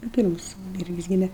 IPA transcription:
nʊ ˈpʲiːrmʊs ˈʋʲɪrʲɡʲɪs ˈɡʲiːmʲɛ

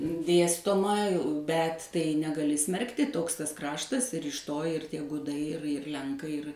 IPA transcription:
ˈdʲeːstoːmɐ bʲɛt ˈtɐɪ nʲɛɡɐˈlʲɪ ˈsʲmʲɛrktʲɪ ˈtoːks ˈtɐs ˈkrɑːʃtɐs ɪr ɪʃ ˈtoː ɪr ˈtʲiɛ ˈɡʊdɐɪ ɪr ɪr ˈlʲɛŋkɐɪ ɪr

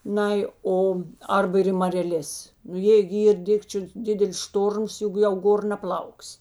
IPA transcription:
ˈnɐɪ ˈoː ˈɐrbɐ ɪr ɪ mɐrʲɛˈlʲeːs nʊ ˈjeː ɡʲɪ ˈiːr ˈdʲɪkt͡ʃʲʊ ˈdʲɪdʲɛlʲɪs ˈʃtoːrms ˈjʊk jɛʊ ˈɡoːr nɐˈplˠɐʊksʲ

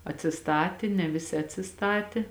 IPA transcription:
ɐtʲsʲɪˈstɑːtʲɪ nʲɛ ˈʋʲɪˌsʲɪ ɐtʲsʲɪˈstɑːtʲɪ

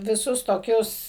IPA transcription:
ʋʲɪˈsʊs toːˈkʲʊs

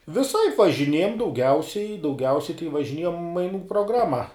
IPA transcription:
ʋʲɪˈsɐɪp ʋɐʒʲɪˈnʲiɛjɛm dɐʊˈɡʲɛʊsʲɛɪ dɐʊˈɡʲɛʊsʲɛɪ tɐɪ ʋɐʒʲɪˈnʲiɛjɛm mɐɪˈnuː proːˈɡrɑːmɐ

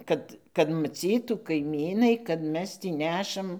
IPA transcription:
ˈkɐt kɐt mɐˈt͡sʲiːtuː kɐɪˈmʲiːnɐɪ kɐt ˈmʲɛs ˈtʲiː ˈnʲæːʃɐm

